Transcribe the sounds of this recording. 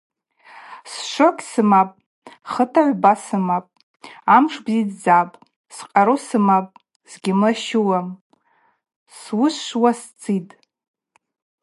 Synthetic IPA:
sʃʷokʲʼsɨmapʼ | χətʰaʕʷbasɨmapʼ | amʂbzidd͡zapʼ | sqʼaɾosɨmapʼ | z̥ɡʲɪmɨʃɪwam | swʊswast͡sʼitʼ

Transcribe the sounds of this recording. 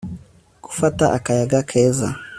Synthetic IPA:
ku̥fataʔakajaɡakʰɛza̰

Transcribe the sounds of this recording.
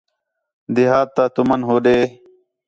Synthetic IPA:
d̪iɦaːt̪̚t̪ːat̪umɐnɦoːɖeː

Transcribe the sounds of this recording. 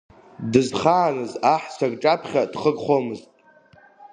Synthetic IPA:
dɨzχaːnɨzaħsʷʰaɡʈ͡ʂʼapʰχʲadχəɡχʷomɨztʼ

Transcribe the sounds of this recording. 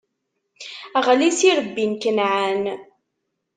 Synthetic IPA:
æʁlisiɾəbːinkənʕan

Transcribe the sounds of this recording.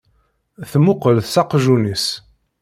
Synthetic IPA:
θmʊqəlθsɑqʒunis

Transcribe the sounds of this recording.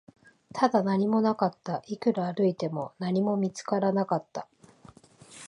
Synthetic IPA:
t̪ʰad̪anaɲ̟imo̞nakat̪ːaʔikɯ̟ɾaːɾɯ̟it̪e̞mo̞naɲ̟imo̞mʲit͡sɨ̥kaɾanakat̪ːa

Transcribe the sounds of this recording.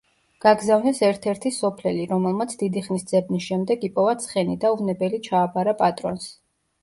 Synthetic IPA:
ɡ̥aɡzavnɛsɛɾt̪ʰɛɾt̪ʰisɔpʰlɛliɾɔmɛlˠmat̪sʰd̪id̪iχnisd̪z̥ɛbnisʃɛmd̪ɛɡipʼɔvat̪sʰχɛnid̪auvnɛbɛlit͡ʃʰaːpaɾapʼat̪ʼɾɔns

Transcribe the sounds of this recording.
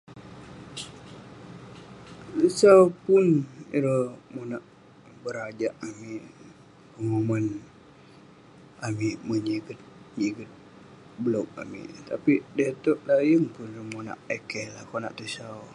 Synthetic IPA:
t̪əsawpʊniɾəmonaʔ | bəɾad͡ʒaʔamiʔ | kəŋoman | amiʔməɲiɡət̪̚ɲiɡət̪̚ | bəlok̚a̰mḭʔt̪apidet̪ɔʔlajəŋpʊnɾəmona̰ʔekɛlakona̰ʔt̪əsaw

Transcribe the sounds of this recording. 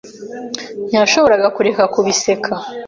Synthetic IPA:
ɲaʃo̞βo̞ɾaɡakuɾe̞kakuβise̞kʰa

